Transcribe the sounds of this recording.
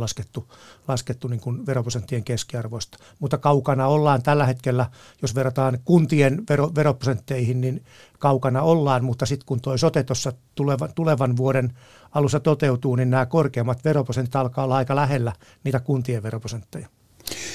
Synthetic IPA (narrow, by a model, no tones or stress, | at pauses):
lɑsket̪ːulɑsket̪ːuniːŋkunʋeroprosent̪ːieŋkeskiɑrʋoist̪ɑ̥ | mut̪ːɑkɑukɑnɑolːɑːnt̪ælːæhet̪kelːæ | josʋerːot̪ɑːnkunt̪ienʋeroʋeroposent̪ːeihinnin | kɑukɑnɑolːɑːnmut̪ːɑsit̪kunt̪oisot̪et̪osːɑt̪uleʋɑt̪uleʋɑnʋuoɾen | ɑlusːɑt̪ot̪eut̪uːninnæːkorkeːmːɑt̪ʋeroposent̪it̪ɑlkɑːolːɑɑikɑlæhelːæ | niːt̪ækunt̪ieʋʋeroposent̪ːejɑ̥